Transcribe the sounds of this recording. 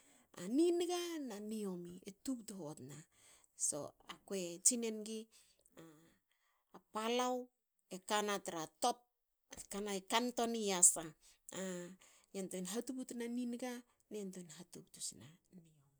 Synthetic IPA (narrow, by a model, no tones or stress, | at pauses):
aninɡananio̞mietuk̚tuɦotna | so̞̰akoet͡ʃine̞nɡi | aː | palaw | ekanataɾato̞p̚ | kanaekanto̞niasaa | jantojnɦatuputnaninɡa | niantojnɦatuk̚tusina̰niomi